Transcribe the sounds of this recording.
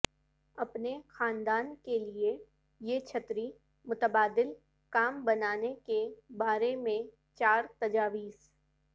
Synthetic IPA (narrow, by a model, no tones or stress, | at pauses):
ɐpnexaːnd̪aːnkelie | jet͡ʃʰət̪ɾi | mʊt̪əbaːd̪ɪl | kaːmbɐnaːnekebaːɾemẽ | t͡ʃaːɾt̪ɐd͡ʒaːʋiːs